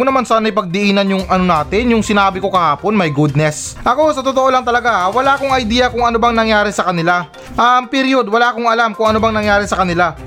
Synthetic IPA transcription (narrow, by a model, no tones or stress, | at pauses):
ʊnɐmansaːnɐjpɐɡ̚d̪ɪʔiːnɐnjʊŋʔɐnonaːt̪ɪnjʊŋsɪnaːbɪko̞kɐhaːpo̞nmɐjɡud̪̚nɛs | ʔɐko̞sɐt̪ot̪oʔo̞lɐŋt̪ɐlɐɡahawɐlaːkoŋɐjd̪iːjɐkʊŋɐnobɐŋnɐŋjaːɾɪsɐkɐnɪla | ʔɐmpɪɾjod̪wɐlaːkoŋɐlamkʊŋʔɐnobɐŋnɐŋjaːɾɪsɐkɐnɪla